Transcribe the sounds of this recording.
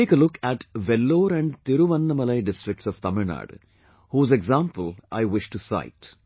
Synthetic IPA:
eːkəlʊkæʈʋɛlːoːɾæ̃ɳɖt̪ɪɾuʋɐ̃nːəmɐlɐjɖɪsʈɾɪk̚ʈsɔʋt̪ɐməɾna̰ːɖ | huːzɛɡzãːmpəlʔa̰ɪʋɪʃʈusa̰ɪʈ

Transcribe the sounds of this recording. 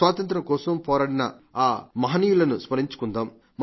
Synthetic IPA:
ʋaːt̪ɐnt̪̬ɾɐkɔːsɐmpɔːɾaːɽinɐ̰aːmɐɦɐniːjulɐnuspɐniɲt͡ʃu̥kund̪aːmː

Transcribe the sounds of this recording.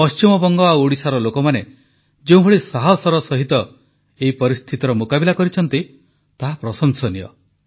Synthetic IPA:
pɔst͡ʃimɔbɔŋɡɔauɽisaɾɔlokɔmane | d͡ʒeũɦɔɭisaɦɔsɔɾɔsɔɦit̪ɔ | eɦipɔɾist̪ʰit̪ɔɾɔmukabilakɔɾit͡ʃʰɔnt̪i | t̪aɦapɾɔsɔŋsɔniɔ̰

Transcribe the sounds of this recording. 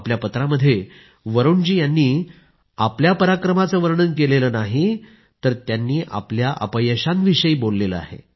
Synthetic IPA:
pljapət̪ɾaməd̪ʱːje | ʋəɾoɳd͡ʑiːjanːiː | apljapəɾakɾəmat͡səːʋəɾɳənkeleləːnaɦi | t̪əɾt̪janːiːʔa̰pljaʔə̰pəjəɕanʋiɕəiːbolːeləa̰ɦḛ

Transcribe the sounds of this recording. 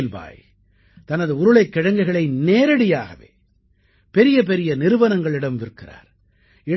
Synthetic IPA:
lʋa̰ːj | t̪ɐnɐðɯʊɾɯɭɐɪkːɪɻɐŋɡɐɪɣɐɭɐɪneːɾɐɽɪjaːɣɐ̰ʋḛː | pɛɾɪjɐp̬ɛɾɪjɐnɪɾɯʋɐnɐŋɡɐɭɪɽɐmʋɪɾɯkːɪra̰ːɾ | ɪɽ

